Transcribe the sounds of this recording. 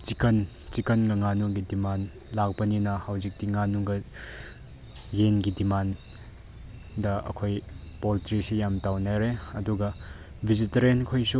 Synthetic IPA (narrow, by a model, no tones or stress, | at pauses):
t͡ʃikɐn | t͡ʃikɐnɡɐŋanuɡidiman | lak̚bɐninɐhawzik̚tiŋanuɡɐ | jenɡidiman | dɐɐ̰kʰojpoltɾisijamtawnajɾeɐduɡɐ | bʱizitɐɾenkʰojsu